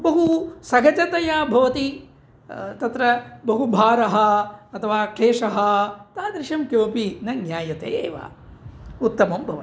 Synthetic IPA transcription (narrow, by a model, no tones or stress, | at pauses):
bɐɦusɐɡɐt͡ʃɐt̪ɐjaːbʱɐʋɐt̪i | t̪ɐt̪ɾɐbɐɦubʱaːɾɐɦɐ̆ɐt̪ʰɐʋaːkʰeːʂɐɦɐt̪aːd̪ɾɪʃɐmkjoʋɐpinɐɡjaːjɐt̪ḛːḛːʋa̰ː | ut̪ːɐmɐmbʱɐʋɐ